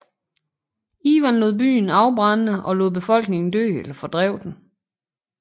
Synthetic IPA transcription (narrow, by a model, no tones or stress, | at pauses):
iːʋænlo̝ðˠb̥y̰ːn̩ɑ̈ʊb̥ʁɑnːəʔɒ̽lo̝ð̰ˠb̥e̝fɒ̽l̰ɡ̥ne̝ŋn̩d̥ø̰ːelɐfɒ̽d̥ʁɛʊ̰d̥n̩